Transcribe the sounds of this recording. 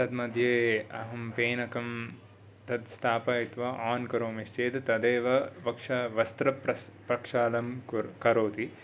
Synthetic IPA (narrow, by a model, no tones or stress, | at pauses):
t̪ɐd̪mɐd̪ʱjeːɐ̰ɦɐmpeːnɐkɐm | t̪ɐd̪st̪ʰaːpɐit̪ʋaːʔaːnkɐɾoːmest͡ʃeːd̪t̪ɐd̪eːʋɐʋɐkʂaʋɐst̪ɾɐpɾɐpɐkʂaːlɐmkɐɾoːt̪i